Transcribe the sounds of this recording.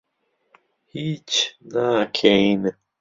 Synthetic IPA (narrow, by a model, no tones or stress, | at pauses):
hit͡ʃnakʰeinə